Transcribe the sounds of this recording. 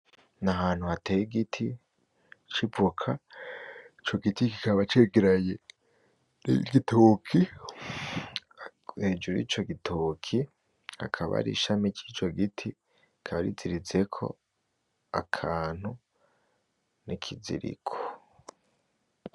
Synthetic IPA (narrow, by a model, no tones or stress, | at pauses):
naɦaːn̥huhatejiɡitʰi | t͡ʃibukʰa | it͡ʃo̞ɡitiki̥kaβat͡ʃeɡeɾaje | ɡitʰoːkʰi | heːd͡ʒuɾḭːt͡ʃo̞ɡitʰokʰi | ha̰kʰaβa̰ɾḭʃamit͡ʃit͡ʃo̞ɡitʰi | kʰaβaɾiziɾize̞kʰo̞̰ | akʰaːn̥hu | nikʰizḭɾḭkʰo̥